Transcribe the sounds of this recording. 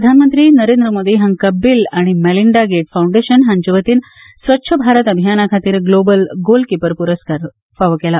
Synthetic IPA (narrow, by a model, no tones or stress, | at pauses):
pɾəd̪ʱanmənt̪ɾiːnəɾend̪ɾəmoːd̪iɦãŋkəbːilaɽ̃imɛliɳɖaɡeʈfawuɳɖeɕənɦãɲd͡ʑuʋət̪iːn | sʋətːɕʰəbʱaɾət̪əbʱijanakʰat̪iːɾɡlobəlɡolkipəɾpuɾəskaɾ | faʋəkɛla